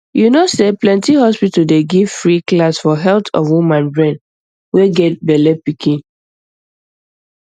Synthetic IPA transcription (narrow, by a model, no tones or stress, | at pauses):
junoseplɛ̃ntihɔspitədeɡiv̥fɹiklasfɔɦɛltʰɔ̰vwumãnbɹɛ̃n | weɡɛt̚bɛlɛpikʰĩn